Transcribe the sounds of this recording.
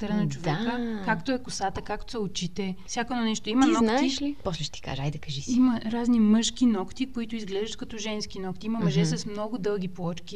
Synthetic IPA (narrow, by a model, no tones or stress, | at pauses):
t̪əɾənɐt͡ʃovɛkəkakt̪oɛkʊsat̪əkakt̪o̥sɐot͡ʃit̪ɛfsʲakoɛd̪ɔnɛʃt̪oimɐnɔknk̪aiʃlipɔslɛʃt̪i̥ka̰ʒəajd̪ɐkɐʒisimɐɾaznimɤʃk̟inɔkt̪ikoit̪ʊizɡlɛʒɐt̪kɐt̪ɔʒɛnskinɔkt̪iimɐmɐʒɛsɐsmnɔɡʊd̪ɤlˠɡ̟ʲiplˠɔt͡ʃki